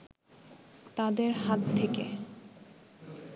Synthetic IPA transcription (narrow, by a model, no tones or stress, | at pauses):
t̪ad̪eɾɦat̪t̪ʰːekḛ